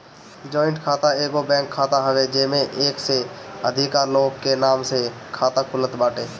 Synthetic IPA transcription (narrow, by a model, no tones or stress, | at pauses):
d͡ʒɔːɪ̃ɳʈkʰaːt̪aeːɡobɛ̃ːŋkʰːaːt̪aɦəʋed͡ʒeːmẽʔeːkseəd̪ʱɪkaːɾloːɡkenaːmsekʰaːt̪akʰʊlət̪baːʈeː